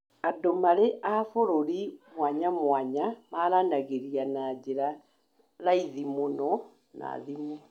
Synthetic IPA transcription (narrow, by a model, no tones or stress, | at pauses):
adomaɾeʔafoɾoɾimwaɲamwaɲamaɾanaɣeɾianad͡ʑeɾa | ɾaiðimonɔ | na̰ðimo